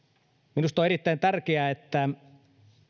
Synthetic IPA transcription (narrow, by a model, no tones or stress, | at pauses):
minust̪oeɾit̪ːæint̪ærkeæet̪ːæ